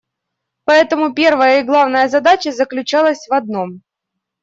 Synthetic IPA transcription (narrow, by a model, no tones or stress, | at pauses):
pɐɛt̪əmʊpʲe̞rvəjəɪɡlˠavnəjəzɐd̪at͡ɕəzəklʲʉt͡ɕalˠəsʲvɐd̪̚no̞m